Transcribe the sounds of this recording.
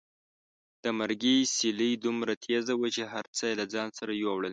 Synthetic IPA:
d̪̥əmaɾɡisiləjd̪umɾat̪ʰezawat͡ʃeɦaɾt͡səjlad͡zɑnsaɾajwawɽəl

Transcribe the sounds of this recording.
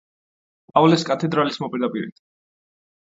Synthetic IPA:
avlɛskʼat̪ʰɛd̪ɾalismɔpʼiɾd̪apʼiɾḭt̪ʰ

